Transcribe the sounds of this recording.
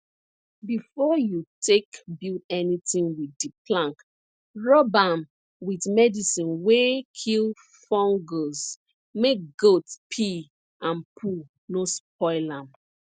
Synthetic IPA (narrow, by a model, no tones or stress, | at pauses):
bifɔjutʰekbilɛnitĩŋwitdiplãŋk | ɹɔbãm | witmɛdisĩnwekʰil | fɔ̃ŋɡos | mek̚ɡotpʰi | ãnpʰu | nosp̚ɔɪlãm